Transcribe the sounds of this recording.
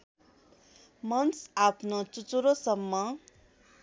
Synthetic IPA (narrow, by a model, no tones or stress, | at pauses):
mʌnsapʰnot͡sut͡suɾosʌmːʌ